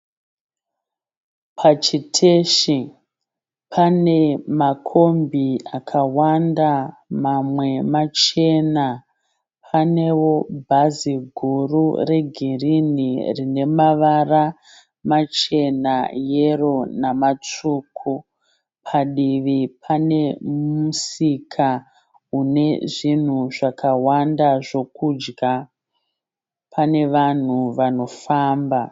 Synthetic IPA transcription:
pʰat͡ʃitʰe̞ʃi | pʰane̞makʰo̞mbʱiakʰawandamamwe̞mat͡ʃe̞na | pʰane̞wo̞bʱaziɡʱurure̞ɡʱirinirine̞maʋara | mat͡ʃe̞najero̞namat͡ʂuːkʰu | pʰaɗiʋipʰane̞musikʰa | une̞ʐin̤uʐakawandaʐo̞kud͡ʒɡa | pʰane̞ʋan̤uʋano̞faːmba

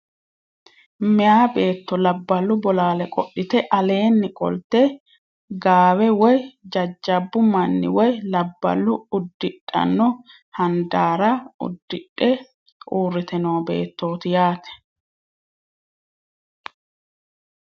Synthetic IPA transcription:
mɛjaːbe̞ːt̪ːɔlɐbːɐlːʊbɔlaːlɛkʼɔʔɪt̪ɛʔɐle̞ːnːɪkʼɔ̰lt̪ɛ | ɡaːwɛwɔjd͡ʒɐd͡ʒːɐbːʊmɐnːɪ̰wɔjlɐbːɐ̰lːʊʊd̪ːɪᶑːɐ̰nːɔ | hɐnd̪aːɾɐʊ̰d̪ːɪᶑːɛ | uːrːɪt̪ɛnoːbe̞̰ːt̪ːo̞ːt̪ɪjaːt̪ɛ̥

